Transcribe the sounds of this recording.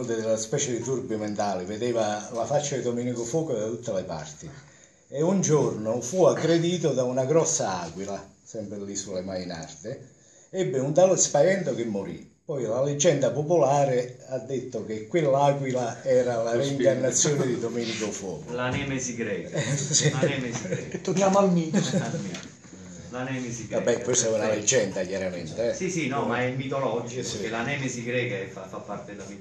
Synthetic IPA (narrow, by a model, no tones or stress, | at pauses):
d̪ɪlːaspɛːt͡ʃed̪it̪urbiment̪aːlɪved̪ɛːvalafat͡ʃːad̪id̪omɛnikofɔːkod̪at̪ut̪ːalepa̰rt̪i | eund͡ʒornofuaɡɾed̪iːt̪od̪aunaɡɾɔsːaaːkwila | sɛmpɾɪlːisulːemaina̰rt̪ɪ | ɛbːɪunt̪alɪspajɛnt̪ok̟emːoɾḭpɔjlaled͡ʒːɛnd̪apopolaːɾɪad̪ːet̪ːokekːwelːaːkwilaɛːɾalareiŋkarnːat̪sːjɔːned̪id̪omeːnikofɔ̰ːlanɛːmesiɡɾɛːksiɛmesiɛt̪ːoɾnjaːmoalmi | lanɛːmesiɡabːɛkwest̪ɛunaled͡ʒːɛnd̪akjaɾamḛnt̪eɛsisinɔmaɛmːit̪olɔd͡ʒiikelanɛːmesiɡɾɛːkafafapːart̪ed̪ami